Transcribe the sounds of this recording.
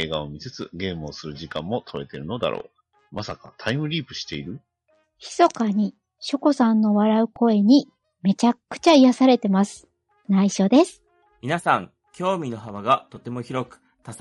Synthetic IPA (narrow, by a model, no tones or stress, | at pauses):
e̞ːɡaomʲiset͡sɨ̰ɡe̞ːmɯosɨɾɯ̟ʑikãmːo̞t̪ʰo̞e̞t̪e̞ɾɯ̟no̞d̪a̰ɾʔo̞̰ː | mʔasakat̪ʰaimɯ̟ɾʲiːpɯ̟̥ɕi̥t̪e̞iɾɯ̟ | çi̥so̞kaɲ̟i | ɕoko̞sãnːo̞βaɾaɯ̟ko̞e̞ɲ̟i | me̞t͡ɕakːɯ̟̥t͡ɕaijasaɾe̞t̪e̞masɨ̥ | naiɕo̞ːd̪e̞sɨ̥ | mʲinasãŋ | kʲo̞ːmʲino̞ɦaβaɡat̪o̞t̪e̞mo̞çiɾo̞kɯ̟̥ | t̪a